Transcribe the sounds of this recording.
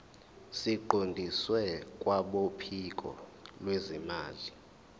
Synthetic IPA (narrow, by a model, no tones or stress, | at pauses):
siǃondʱiswɛkʼwaɓopʰik̬ʼɔ̰lwezimaːli